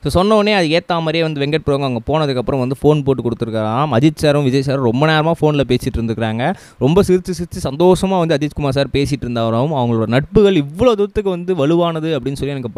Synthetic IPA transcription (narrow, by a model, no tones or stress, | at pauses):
soːsɔnːɐʋɐneːɐðɯeːt̪ːaːmaːɾijeːʋɐnd̪ɯʋɛŋɡɐʈ̚pɪɾoːʋɐŋɡɐʋɐŋɡɐpoːnɐðɯkːɐpːɯɾɐ̃mʋɐnd̪ɯfoːnpoːʈːɯkɔɽɯt̪ːɯɾɯkːɐɾaːmɐðɪt͡ʃːsaːɾɯ̃mʋɪd͡ʒɐjɐsaːɾɯɾɔmbɐneːɾɐmaːfoːnɪlɐpeːsɪʈːɪɾɯnd̪ɯkːɪɾaːŋɡɐ | ɾɔmbɐsɪɾɯt͡ʃːɯsɪɾɯt͡ʃːɯsɐnd̪oːʂɐmaːʋɐnd̪ɯɐðit͡ʃkʊmaːɾs̬aːɾpeːsɪʈːɪɾɯnd̪aːɾɐʋɯmɐʋɐŋɡɐɭoːɽɐnɐʈ̚pɯɣɐɭɪʋːɐɭoːt̪ʊɐt̪ːɯkːɯʋɐnd̪ɯʋɐɭɯʋaːnɐðɯɐpːɐɽɪnːɯsɔlːiɛnɐkːɯp